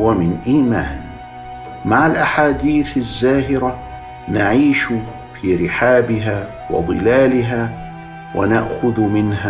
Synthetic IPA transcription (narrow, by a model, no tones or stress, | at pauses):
wamɪnʔiːmaːn | maʕalʔaħaːd̪iːθazːaːɦɪɾa | naʕiːʃ | fiːɾɪħaːbɪɦaː | wɑ̰ðˤɨ̰laːlɪɦaː | wʔa̰naʔxʊðmɪnɦa